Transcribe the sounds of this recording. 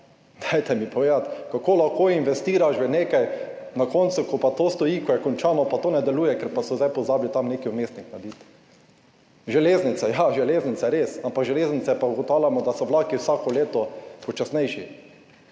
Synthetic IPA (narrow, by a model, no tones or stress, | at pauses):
d̪̥ajt̪ɛmipɔʋeːd̪at̪kakoːlaxkoːinʋɛst̪iːɾaʃʋɛneːkajnakɔnt̪sʊkɔpat̪oːst̪ɔjikɔjɛkɔnt͡ʃaːnɔpat̪oːnɛd̪ɛluːjɛkɛɾpasɔzd̪ajpɔzaːblit̪amneːkiʊmeːst̪niknad̪iːt̪ | ʒɛleːznit̪sɛjaʒɛleːznit̪sɛɾeːsampakʒɛleːznit̪sɛpauɡɔt̪aːwljamɔd̪asɔʋlaːkiwsaːkɔleːt̪ɔpɔt͡ʃasnɛjʃi